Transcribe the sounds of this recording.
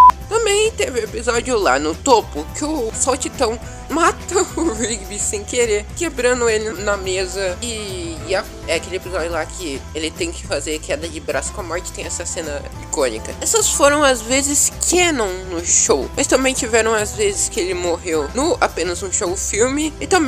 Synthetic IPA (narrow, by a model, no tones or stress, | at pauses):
t̪ɐ̃mbẽj̃t̪evɪ̃epizɔd͡ʒiʊla̰nʊt̪opʊkɪʊsawt͡ʃit̪ɐ̃w̃ | mat̪ɐʊvibisẽj̃keɾeɾkebɾɐ̃nd̪ʊelɪnɐmezɐɪa | ɛakelɪepizɔd͡ʒʊlakʰɪelɪt̪ẽj̃kɪ̥fazeɾkɛd̪ɐd͡ʒɪbɾasʊ̥kõɐmɔɾt͡ʃɪt̪ẽj̃ɛsɐsẽnɐ | ikõnḭkɐɛsɐsfoɾɐ̃w̃azvezɪskʰenɐ̃w̃nʊʃowmɐst̪ɐ̃mbẽj̃t͡ʃivɛɾɐ̃w̃azvezɪskɪelɪmoɦewnʊa̰pẽnɐzũʃowfiwmɪɪt̪ɐ̃mbẽ